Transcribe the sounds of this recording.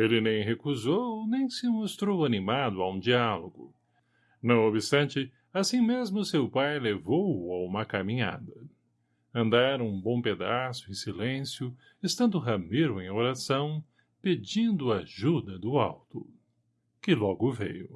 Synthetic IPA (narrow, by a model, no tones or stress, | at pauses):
elɪnẽj̃ɦekuzownẽj̃sɪmost̪ɾowanimad̪ʊaũd͡ʒialoɡʊ | nɐ̃w̃obɪst̪ɐ̃nt͡ʃɪ | asĩmezmʊsewpajlevowaũmɐkamĩɲa̰d̪ɐ | ɐ̃nd̪aɾũbõw̃ped̪asʊẽsilẽsjʊ | est̪ɐ̃nd̪ʊɦɐmeɾʊẽj̃oɾasɐ̃w̃ | ped͡ʒĩnd̪ʊaʒud̪ɐd̪ʊawt̪ʊ̰ | kɪlɔɡʊvḛjʊ